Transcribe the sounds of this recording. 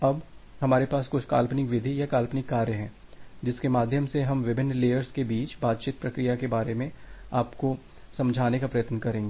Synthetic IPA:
ɐbhɐmaːɾepaːskʊt͡ʃʰka̰ːlpnɪkʋɪd̪ʱijakaːlpnɪkːaːɾjəɦɛ̃ːd͡ʒɪskemaːd̪ʱjəmseɦɐmʋɪbʱɪnːleːəɾskebiːt͡ʃbaːt̪̚t͡ʃiːt̪̚pɾɐkɾijakebaːɾemẽaːpko | sɐ̃md͡ʒʱaːnekapɾɐjət̪nəkɐɾẽːŋɡeː

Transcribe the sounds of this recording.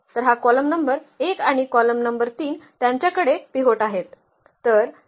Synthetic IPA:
t̪əɾɦakɔləmnəmbəɾekaɽ̃ikɔləmnəmbəɾt̪iːnt̪jaɲt͡ɕjakəɽepiɦoʈaɦet̪ː | əɾ

